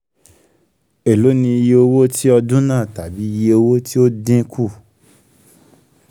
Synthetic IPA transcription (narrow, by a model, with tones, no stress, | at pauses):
e˨lo˨˦nĩ˧je˧o˧wo˦ti˦ɔ˧dũ˦nãː˦˨ta˨bi˨˦˧je˧o˧wo˦ti˦o˦dẽ˦kʰu˦˨